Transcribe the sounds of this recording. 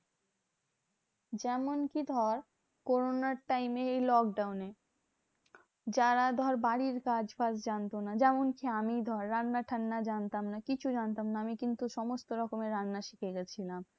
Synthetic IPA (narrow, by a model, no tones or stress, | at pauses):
d͡ʑɛmonkid̪ʱɔɾ | koɾonaɾʈajmeejlɔk̚ɖawne | d͡ʑaɾad̪ʱɔɾbaɽiɾkad͡ʑfad͡ʑd͡ʑant̪onad͡ʑɛmonkiamid̪ʱɔɾːanːaʈʰanːad͡ʑant̪amnakit͡ɕʰud͡ʑant̪amnaamikint̪uʃɔmost̪oɾɔkomeɾanːaʃikʰeɡɛt͡ɕʰilam